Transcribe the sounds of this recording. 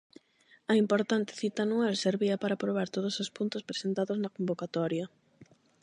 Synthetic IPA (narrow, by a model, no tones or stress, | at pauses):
ɐimpoɾt̪ant̪ɪ̥θit̪aanualseɾβiɐpaɾapɾoβ̞aɾt̪oð̞osospunt̪ospɾe̥sent̪aðoznɐkombokat̪ɔɾjɐ